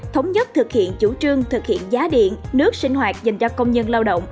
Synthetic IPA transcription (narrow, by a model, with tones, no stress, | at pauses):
t̪ʰə˨˦wŋ͡mɲə˦˥t̚t̪ʰɨ˨˩k̚hḭ˧˨ənt͡ɕu˧˩t͡ɕɨ˧əŋt̪ʰɨ˨˩k̚hḭ˧˨ənzaː˨˦ɗḭ˧˨ənnɨ˦˥ək̚sï˧ŋ̟ɦwaː˨˩t̚za˨˩jŋ̟t͡ɕɔ˧kə˧wŋ͡mɲə˧nlaː˧wɗo̰˧˨wŋ͡m